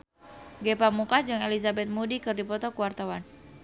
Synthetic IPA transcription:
ɡɛpamukad͡ʒɨŋelizabɛt̪̚mudikɨrdipɔt̪ɔkuwart̪awan

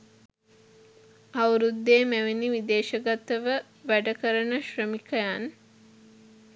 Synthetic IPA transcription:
awɾud̪ːeːmæʋeniʋid̪eːʃəɡat̪əʋə | ʋæɖəkəɾənəʃrəmikəjan

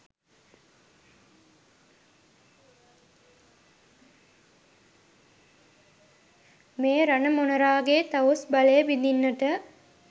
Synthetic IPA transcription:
meːɾanəmonɐɾaːɡet̪aosbalejəbid̪inːəʈə

